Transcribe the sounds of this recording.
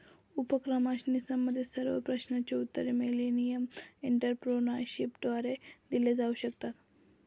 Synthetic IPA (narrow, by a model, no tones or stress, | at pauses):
upəkɾəmaɕnisaməd̪ʱjesəɾʋə̰pɾəɕnat͡ɕeut̪ːəɾemelenijəmiɳʈəɾpɾonəɾɕipd̪ʋaɾed̪iled͡zauɕək̚t̪at̪